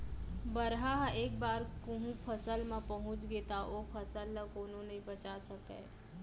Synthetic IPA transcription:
bɐɾɦaɦeːk̚baːɾkoɦũpʰɐsəlmãpɐɦʊ̃t͡ʃɡeːt̪aʔoːpʰɐsəlːəkoʊnõnɐĩbɐt͡ʃasɐkḛː

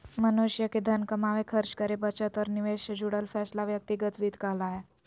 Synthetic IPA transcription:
mənuɕjəked̪ʱənkəmaʋekʰəɾt͡ʃkəɾebət͡ʃət̪ɔɾniʋeɕəd͡ʑuɽəlfɛslaʋjək̚t̪iɡət̪ʋiːd̪kaɦlaɦe

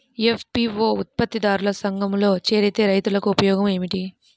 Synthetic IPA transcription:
efpiʋoːut̪̚pɐt̪ːid̪aːɾulɐsɐŋɡɐmlo̞ːt͡ʃeːɾɐt̪e̞ːɾɐjt̪ulɐkuupɐjɔːɡɐme̞ːmiʈi

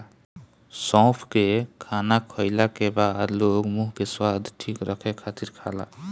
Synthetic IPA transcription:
sɔ̃pʰkekʰanakʰɔjlakebad̪lokmuɦkeswad̪ʱʈʰikɾəkʰɛkʰat̪iɾkʰala̰

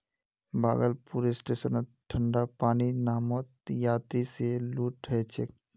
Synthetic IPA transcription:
ba̰ːɡəlpuːɾesʈeːsənʈʰːə̃ɳɖapaːninaːmot̪jaːt̪ɾiseluːʈɦɛt͡ʃek̚

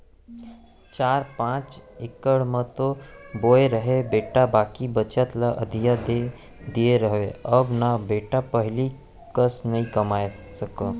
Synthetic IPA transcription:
t͡ʃaːɾpãːt͡ʃɪkəɽmə̃t̪oboːeɾəɦebeːʈabaːkibət͡ʃət̪ləʔə̰d̪ʱijad̪e | d̪ieɾəɦʋeəbnabeːʈapəɦɪli | kəsnɐɦĩkəmaːe | səkə

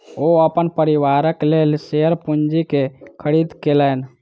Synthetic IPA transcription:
oəpənpəɾiʋaɾəklelseəɾpund͡ʒikekʰəɾid̪kelən

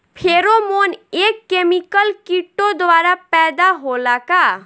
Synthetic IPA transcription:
pʰeːɾomoːneːkːeːmɪkəlkiʈːod̪ʋaːɾapɛːd̪aɦoːlakaː

